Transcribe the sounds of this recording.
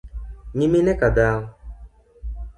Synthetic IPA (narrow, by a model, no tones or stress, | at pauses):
ɲiminɛkadaː